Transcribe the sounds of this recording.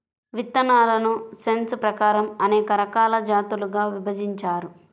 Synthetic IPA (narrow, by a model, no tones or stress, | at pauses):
ʋit̪ːɐnaːlɐnuse̞nspɾɐkaːɾɐmɐnɛːkɐɾɐkaːlɐd͡ʒaːt̪uluɡaːʋibʱɐd͡ʒiɲt͡ʃaːɾu